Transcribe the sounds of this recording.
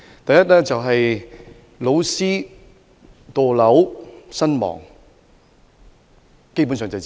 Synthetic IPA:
t̪ɐ˨jɐ˥t̚lɛː˥t͡sɐ˨wɦɐ˨j | lo˨˧˥wsiː˥ | t̪oː˨˧lɐ˨˥wsɐ˥nmɔ̰ː˨˩ŋ | ke˥jpu˨˥nsœː˨ŋt͡sɐ˨

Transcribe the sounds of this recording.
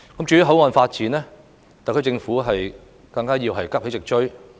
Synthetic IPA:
kɐ˨˥mt͡ʃyː˨˥˧ɦɐ˨˥wŋɔː˨nfaː˧t̚t͡siː˨˥nɛː˥ | t̪aː˨jkʰːɥt͡sɪ˧ŋfuː˨˥ɦɐ˨j | kɐ˧ŋkaː˥jiː˧wɦɐ˨jkɐ˥he˨˥t͡sɪ˨k̚t͡ʃɵ˥ɥ

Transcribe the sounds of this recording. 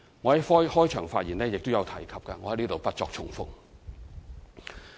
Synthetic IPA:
ŋɔ˨˧hɐ˨˦jfɔː˥jhɔː˥jt͡ʃʰœː˨˩ŋfaː˧t̚jiː˨˩nɛː˥jɪ˨k̚t̪o˥wjɐ˨˧wt̪ʰɐ˨˩jkʰɐ˨p̚kɐ˧ŋɔ˨˧hɐ˨˥jniː˥t̪o˨wpɐ˥t̚t͡sɔ̰ː˧k̚t͡ʃʰʊ˨˩ŋfʊ̰˨k̚

